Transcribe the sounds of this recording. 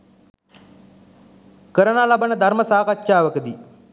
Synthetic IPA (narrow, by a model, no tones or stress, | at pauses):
kəɾənaːlabənəd̪ʱaɾməsaːkatːʃaːʋəkəd̪i